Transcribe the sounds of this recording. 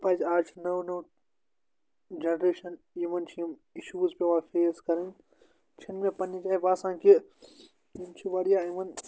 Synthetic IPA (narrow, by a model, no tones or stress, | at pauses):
pɐd͡ʒaːt͡ʃʰnɐwnɐw | d͡ʒɐnɾeːʃɐn | jimɐnt͡ʃʰijimiʃuːzpʲeʋaːfeːskɐɾɐn | t͡ʃʰinmẽpɐnːid͡ʒaːjbaːsãːki | jimt͡ʃʰiʋɐɽijaːimɐn